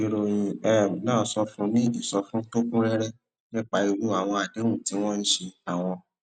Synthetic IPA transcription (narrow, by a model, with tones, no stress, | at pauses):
i˦ɾo˧j̃ĩ˧ɛ˦˨mĩ˨˦nãː˦˨˦sɔ˧fũ˦nĩ˦i˦˨sɔ˧fũ˦to˦kũ˦ɾɛ˦ɾɛ˦ | nĩ˦k͡pa˧˦i˧wu˨˦a˦˨w̃ɔ̃˧a˨de˨˦wũ˦˨ti˨˦w̃ɔ̃˦n̩˦ʃe˧a˨w̃ɔ̃˧